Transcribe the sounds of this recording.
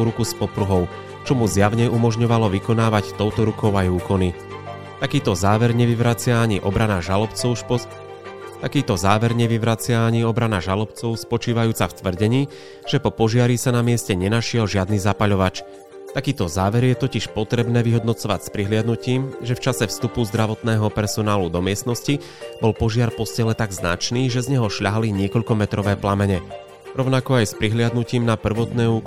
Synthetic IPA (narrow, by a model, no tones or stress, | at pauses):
uɾukuspɔpɾuɦɔʊ | t͡ʃɔmuzjaʊɲɛumɔʒɲɔʋalɔʋikɔnaːʋact̪ɔʊt̪ɔɾukɔʊajuːkɔni | t̪akiːt̪ɔzaːʋɛɾɲɛʋiʋɾat͡sɪaːɲiʔɔbɾanaʒalɔpt͡sɔʊ | t̪akiːt̪ɔzaːʋɛɾɲɛʋiʋɾat͡sɪaːɲiɔbɾanaʒalɔpt͡sɔʊspɔt͡ʃiːʋajuːt͡saft̪ʋr̩ɟɛɲiː | ʒ̥ɛpɔpɔʒɪaɾisanamɪɛscɛɲɛnaʃɪɛlʒɪad̪niːzapaʎɔʋat͡ʃ | t̪akiːt̪ɔzaːʋɛɾjɛt̪ɔciʃpɔt̪ɾɛbnɛːʋiɦɔd̪nɔt͡sɔʋacspɾiɦlɪad̪nuciːmʒɛft͡ʃasɛfst̪upuzd̪ɾaʋɔt̪nɛːɦɔpɛɾsɔnaːlud̪ɔmɪɛst̪nɔsci | bɔlpɔʒɪaɾpɔscɛlɛt̪aɡzna̰t͡ʃniːʒɛzɲɛɦɔʃʎaɦaliɲɪɛkɔʎkɔmɛt̪ɾɔʋɛːplamɛɲɛ | ɾɔʊnakɔajspɾiɦlɪad̪nuciːmnapr̩ʋɔt̪nɛːuːk